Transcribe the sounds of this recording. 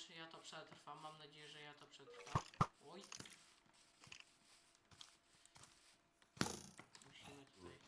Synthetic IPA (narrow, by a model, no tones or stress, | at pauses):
t͡ʂɨjat̪ɔpʂɛt̪ɾfamːamnad͡ʑejɛʐɛjat̪ɔpʂɛt̪ɾfawɔj | muɕimɘt̪ut̪aj